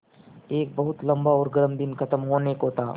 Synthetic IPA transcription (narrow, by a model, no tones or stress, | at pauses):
eːk̚bɐɦʊt̪lɐ̃mbaɔːɾɡɐɾəmd̪ɪnkʰɐt̪əmɦoːneːkɦoːt̪a̰ː